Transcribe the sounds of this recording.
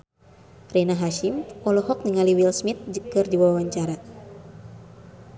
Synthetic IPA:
renaɦaʃimɔlɔɦɔk̚niŋaliwilsmit̪̚d͡ʒkɨrdiwaawaɲt͡ʃaɾa

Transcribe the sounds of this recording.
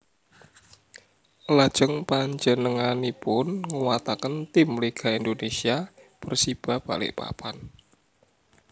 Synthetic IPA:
lad̥ʒ̥əŋpaɲd͡ʒənəŋanipʊnŋuwat̪akənt̪ɪmleɡ̥a̤ind̪onesiab̥ərsib̥a̤hb̥alɪ̰ʔpa̰pʰan

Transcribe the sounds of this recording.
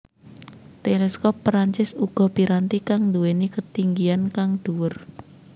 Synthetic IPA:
t̪elɛskɔpːɾaɲt͡ʃɪsuɡ̥ɔ̤piɾant̪ikaŋnd̪uwenikət̪iŋɡiankaŋd̪̥uwər

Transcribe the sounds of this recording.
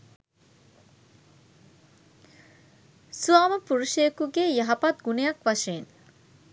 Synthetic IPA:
suaːməpuɾuʃekuɡejɐɦɐpat̪̚ɡunejɐkʋaʃeːn

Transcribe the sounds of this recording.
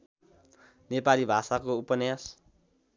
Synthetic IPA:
nepalibʱasakoupʌnjas

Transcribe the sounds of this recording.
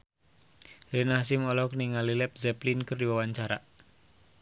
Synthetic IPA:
ɾinasɪmɔlɔkniŋalilɛp̚zɛplinkərdiwawaɲt͡ʃaɾa̰

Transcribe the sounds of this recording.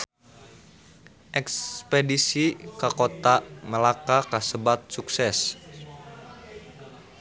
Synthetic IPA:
ʔɛkspedisikakot̪aməlakakasəbat̪̚suksɛs

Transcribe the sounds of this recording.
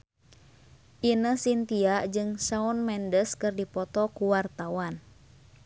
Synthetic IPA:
ʔinəsint̪iaʔd͡ʒɨŋsaunmɛndəskɨrdipɔt̪ɔkuwart̪awan

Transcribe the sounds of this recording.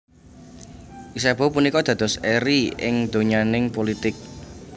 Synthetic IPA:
ʔisɛb̥ɔ̤punikɔd̪̥ä̤d̪̥ɔ̤sɛɾiɪ̰ŋd̪̥o̤ɲanɪŋpolit̪ɪk̚

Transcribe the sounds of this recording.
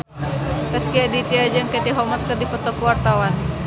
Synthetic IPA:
kəskiadit̪iad͡ʒəŋket̪iɦɔmat̪skərdipət̪ɔkuwart̪awan

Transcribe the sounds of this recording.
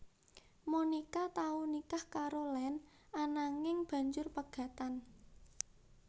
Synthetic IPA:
monikat̪aunikahkaɾolɛn | anaŋɪŋb̥a̤ɲd͡ʒʊrpəɡ̥a̤t̪an

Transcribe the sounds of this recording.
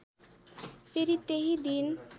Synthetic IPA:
fʰeɾit̪eɦid̪in

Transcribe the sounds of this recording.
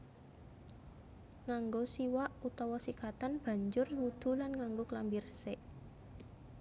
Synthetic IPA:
ŋaŋɡosiwaʔut̪ɔwɔsikat̪anb̥ä̤ɲd͡ʒʊrwud̪̥ṳlanŋaŋɡoklambirsɛʔ

